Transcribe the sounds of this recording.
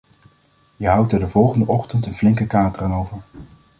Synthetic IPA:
jəɦɑwtəɹdəvɔlˠχəndəʔɔχtəntənvlɪŋkəkaːtərənowvəɹ

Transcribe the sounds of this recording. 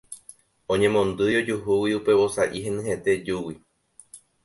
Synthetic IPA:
õɲẽ̞mõ̞nd̪ɨjo̞d͡ʒuɦuwiupe̞βo̞saʔiɦẽ̞nɨ̃ɦe̞t̪e̞d͡ʒuwi

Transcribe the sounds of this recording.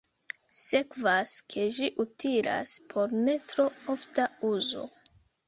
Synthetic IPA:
se̞kvaskʰe̞ʒiʔutʰiɾa̰spʰo̞ɾne̞tɾo̞oftauzo̞̰

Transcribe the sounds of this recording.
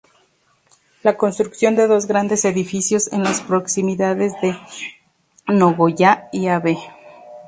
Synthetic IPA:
lako̞nst̪ɾuksjo̞nd̪e̞ðo̞zɣɾand̪e̞se̞ðifisjo̞senlaspɾo̞ksimiðaðe̞zðe̞ | noɣoʝaiaβe

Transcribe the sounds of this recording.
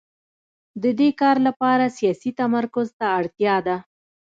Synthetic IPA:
d̪əd̪ekɑɾlapɑɾasijɑsit̪amaɾkʊzt̪aːɽt̪jɑd̪a

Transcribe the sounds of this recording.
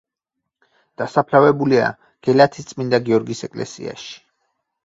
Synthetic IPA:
d̪̥asapʰlavɛbulia̰ | ɡ̥ɛlat̪ʰi̥st̪sʼmind̪aɡiɔɾɡisɛkʼlɛ̰sḭa̰ʃi̥

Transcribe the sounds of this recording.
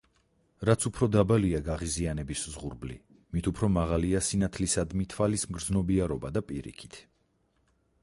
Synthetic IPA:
ɾat̪sʰupʰɾɔd̪abaliaɡaʁizianɛbiszʁṵɾblḭ | mit̪ʰupʰɾɔmaʁaliasinat̪ʰlisad̪mit̪ʰvalismɡɾd̪znɔbiaɾɔbad̪apʼiɾḭkʰi̥t̪ʰ

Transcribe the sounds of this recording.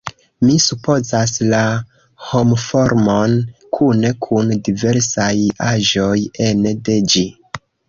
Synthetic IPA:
misupʰo̞zasla | homfo̞ɾmo̞nkʰune̞kʰundive̞ɾsajaʒo̞jende̞d͡ʒi

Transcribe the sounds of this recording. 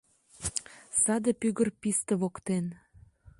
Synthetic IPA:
sɑd̪epyɣərpist̪ə̆βokt̪en

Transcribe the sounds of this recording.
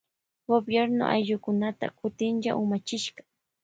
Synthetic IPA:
ɡobjeɾno̰ʔa̰jʎʊkʊnat̪a̰kʊt̪ɪnjaʔʊmat͡ʃɪʃɢɑ̥

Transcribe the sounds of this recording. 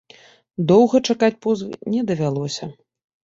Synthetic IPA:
d̪ɔwɣɐt͡ʂakat͡sʲpɔzvɨnʲɛd̪ɐvʲalˠɔsʲɐ

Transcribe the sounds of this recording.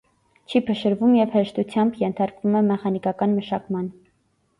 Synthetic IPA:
t͡ʃʰipʰəʃəɾvumjɛvhɛɾʃt̪ut͡sʰjɑmbjɛnt̪ʰɑɾkvumɛmɛχɑnikɑkɑnməʃɑkmɑn

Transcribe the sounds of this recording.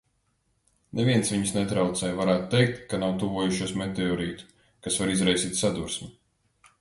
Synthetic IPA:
nʔevʲiɛnsviɲisnɛt̪ɾawt̪sɛjvaɾæːt̪ut̪ejk̚t̪kanawt̪uvuɔjuʃuɔsmet̪eɔɾiːt̪u̥ | kasvaɾizɾajsiːt̪ʲsad̪uɾsmi

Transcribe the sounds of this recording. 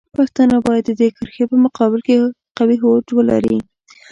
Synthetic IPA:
paxt̪ɑnabɑjad̪ːəd̪ekəɾxepəmʊqɑbɪlke | qawiɦod͡ʒwəla̰ɾi

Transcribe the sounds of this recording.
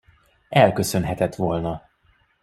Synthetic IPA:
ɛlkø̞sø̞nɦɛt̪ɛt̪ʋolnɒ

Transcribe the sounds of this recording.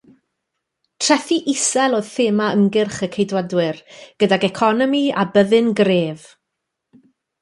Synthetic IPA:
tʰr̥ɛθiʔɪsɛlˠoːð̥θeːmaəŋɡɪrχəkʰejdwadwɪrɡ̥ədaɡɛkʰɔnɔmia̰bəðɨnɡreːv

